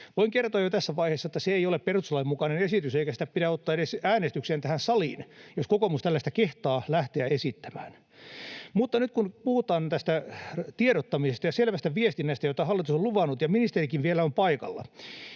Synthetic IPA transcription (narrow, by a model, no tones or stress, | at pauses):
ʋoiŋkert̪oɑjot̪æsːæʋɑiheːsːɑet̪ːæseeiolepperusɑlɑemukɑnenesit̪yseikæsi̥t̪æppiɾæot̪ːɑːeɾesæːnest̪ykseːnt̪æhænsɑlḭːnjoskokomust̪ælːæst̪ækeht̪ɑːlæht̪eæesit̪ːæmæːn | mut̪ːɑnyt̪̚kunpuhut̪ˑɑːnt̪æst̪æt̪ieɾot̪ːɑmisest̪ɑjɑselʋæst̪æʋiest̪inːæst̪æjot̪ːɑhɑlːit̪usoluʋɑnːut̪jɑminist̪erikiʋʋielæompɑikɑ̰lːɑ̰